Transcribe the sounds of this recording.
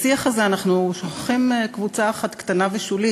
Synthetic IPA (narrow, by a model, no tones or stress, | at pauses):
siaχazeanaχnuʃoχḁχimkvut͡saːχat̪kt̪anaveʃuli